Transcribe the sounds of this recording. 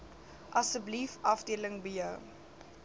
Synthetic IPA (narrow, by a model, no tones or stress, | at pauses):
ʔɐsəblifʔɐfdiələŋbəjəw